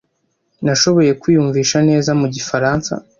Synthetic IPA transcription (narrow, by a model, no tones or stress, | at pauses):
naʃo̞βo̞je̞kwiːjuɱviːʃane̞ːzamuɟifaɾansa̰